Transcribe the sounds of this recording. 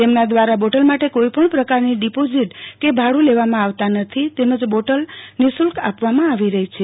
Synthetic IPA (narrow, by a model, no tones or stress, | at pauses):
t̪emnad̪ʋaɾaboʈəlmaʈekoipəɳpɾəkaɾniɖipoziʈkebʱaɽũleʋamãaʋt̪anət̪ʰit̪eməd͡ʒboʈəlnisulka̰pʋamãaʋiɾəɦit͡ʃʰe